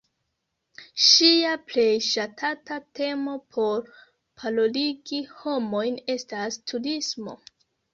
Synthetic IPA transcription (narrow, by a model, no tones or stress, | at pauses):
ʃiaple̞jʃatʰatate̞mo̞pʰo̞ɾ | pʰaloliɡiho̞mo̞jne̞stastʰudismo̞̰